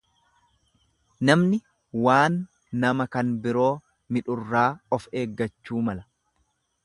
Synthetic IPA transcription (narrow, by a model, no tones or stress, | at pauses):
nɐmnɪ | waːnː | ɐmɐkɐnbɪɾo̞ː | mɪᶑʊrːaːɔfe̞ːɡːɐt͡ʃːuːmɐlɐ